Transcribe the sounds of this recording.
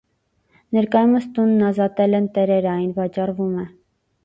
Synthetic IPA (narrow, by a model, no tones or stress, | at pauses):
nɛɾkɑjuməst̪unːɑzɑt̪ɛlɛnt̪ɛɾɛɾɑjnvɑt͡ʃɑrvumɛ